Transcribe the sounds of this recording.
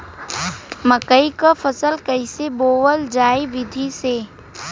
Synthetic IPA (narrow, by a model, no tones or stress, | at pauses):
məkəikafɐsəlkɐiseboːʋəld͡ʒaːiʋɪd̪ʱiseː